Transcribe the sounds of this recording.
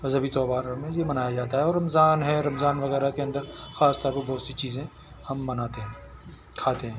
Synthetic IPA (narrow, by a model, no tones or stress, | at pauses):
mɐzəbit̪ɔːbaːɾmẽjemɐnaːjad͡ʒaːt̪aɦɛɔːɾːɐmzaːnɦɛɾɐmzaːnʋɐɣɛːɾakeɐ̃nd̪əɾxaːst̪ɔːɾpɐbɔːt̪sit͡ʃiːzẽ | hɐmːɐnaːt̪eɦɛ̃ | kʰaːt̪eɦɛ̃ː